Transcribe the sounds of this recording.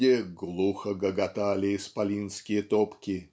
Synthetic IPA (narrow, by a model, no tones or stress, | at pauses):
eɡlˠuxəɡəɡɐt̪alʲɪːspɐlʲinskʲɪjət̪opkʲɪ